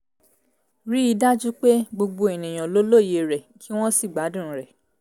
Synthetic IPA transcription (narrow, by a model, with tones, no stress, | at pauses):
ɾi˦i˧da˦d͡ʒu˦k͡pe˦ɡ͡bo˧ɡ͡bo˧e˨nĩ˨j̃ɔ̃˨lo˦lo˦˨je˧ɾɛ˨kʰi˨˦w̃ɔ̃˦si˦˨ɡ͡ba˨˦dũ˦˨˦ɾɛ˨